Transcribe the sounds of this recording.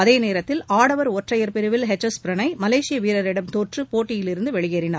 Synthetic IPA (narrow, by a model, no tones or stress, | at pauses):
ɐðeːneːɾɐt̪ːɪlaːɽɐʋɐɾɔʈrɐjɐɾpɪɾɯʋɪlɦɛt͡ʃːɐspɪɾɐnɐɪmɐleːsɪjɐʋiːɾɐɾɪɽɐmt̪oːʈrɯpoːʈːɪjɪlɪɾɯnd̪ɯʋɛɭɪɣeːrɪnaːɾ